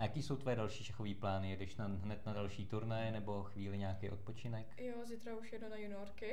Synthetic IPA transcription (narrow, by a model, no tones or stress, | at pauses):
jakiːso̞wt̪vojɛdalʃiːʃɛxoviːplaːnɪjɛdɛʃnaɦnɛt̪nadalʃiːt̪uɾnajɛnɛbo̞xviːlɪɲaːkɛjʔot̪̚pot͡ʃɪnɛkjozit̪ɾauʃjɛdnonajunɪjoɾkɪ